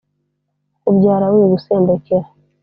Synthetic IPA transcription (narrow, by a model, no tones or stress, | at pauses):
ubɟaːɾawiɡuseːmbekeɾa